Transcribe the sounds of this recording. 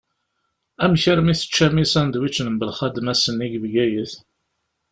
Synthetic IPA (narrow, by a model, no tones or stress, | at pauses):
æmçəɾmiθə̥t͡ʃːæmisænd̪wit͡ʃːnəmbəlχæd̪mæsənːiɡəvɡæjəθ